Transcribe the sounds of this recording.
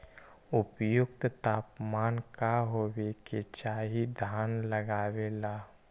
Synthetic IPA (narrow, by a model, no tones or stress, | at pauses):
ʊpjʊkt̪t̪aːpmaːnkaɦoːweket͡ʃaːɦid̪ʱaːnləɡaːwelaː